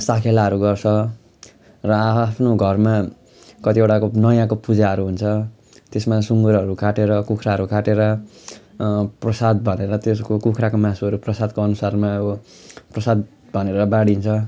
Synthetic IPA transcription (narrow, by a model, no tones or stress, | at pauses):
sakʰelaɦʌɾuɡʌrt͡sʰʌ | rʌapʰnoɡʱʌrma | kʌt̪ieʈakonʌjãkopud͡zaɦʌɾuɦunt͡sʰʌ | t̪esmasuŋɡuɾʌɾukʰaʈeɾʌkukʰɾaɦʌɾukʰaʈeɾʌ | prʌsad̪bʱʌneɾʌt̪eskokukʰrakomãsuʌɾuprʌsad̪koʌnusarma | prʌsad̪ | bʱʌneɾʌbaɽint͡sʰʌ